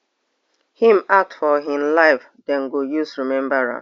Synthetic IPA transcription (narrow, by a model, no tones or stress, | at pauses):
hĩmak̚tfɔɦɪ̃mlaɪf | dɛ̃nɡojusɹimɛ̃mbaɹa̰